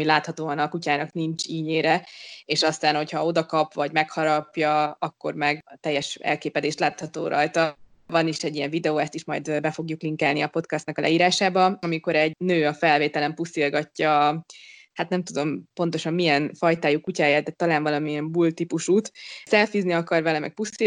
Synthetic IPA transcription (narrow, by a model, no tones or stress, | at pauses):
laːt̪hɒt̪oːɒnɒkucaːnɒknint͡ʃiːɲeːɾɛeːʃɒst̪aːnho̞cʰhɒod̪ɒkɒpvɒɟmɛkhɒɾɒpjɒɒkːo̞̰rmɛɡt̪ɛjːɛʃɛ̰lkeːpɛd̪eːʃt̪laːt̪hɒt̪oːɾʔɒ̰jt̪ɒ | vɒniʃɛɟiɛɱvid̪ɛoːɛst̪iʃmɒjd̪bɛfo̞ɡjukliŋkaːlniɒpo̞t̪kɛst̪nɒkɒlɛ̰iːɾaːʃaːbɒɒmiko̞ɾɛɟnøːɒfɛlveːt̪ɛlɛmpusilɡɒcːɒ | hat̪nɛmt̪ud̪o̞mpo̞nt̪o̞ʃɒmːijɛnfɒjt̪aːjukːucaːjaːt̪ɛt̪ɒlaːnvɒlɒmiɛmbuːlt̪ipuʃuːt̪sɛlfizniɒkɒrvɛlɛmɛ̰k̚pusi